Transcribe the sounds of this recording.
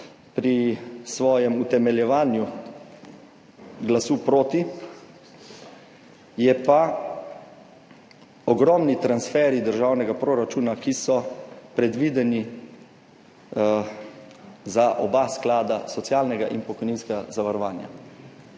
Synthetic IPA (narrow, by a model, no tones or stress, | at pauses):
pɾisʋɔːjɛmut̪ɛmɛljɛʋaːnju | ɡlasupɾoːt̪i | jɛpa | ɔɡɾɔmnit̪ɾansfɛɾid̪əɾʒawnɛɡapɾoɾat͡ʃuːnakisɔpɾɛd̪ʋiːd̪ɛni | zaʔɔbasklaːd̪asɔt̪sjaːlnɛɡaʔinpɔkɔjniːnskɛɡazaʋaɾɔʋaːnja̰